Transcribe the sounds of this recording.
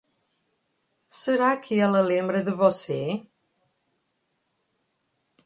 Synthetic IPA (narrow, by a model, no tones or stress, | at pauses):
səɾakʰiːalˠəlimrɨðəvɔsi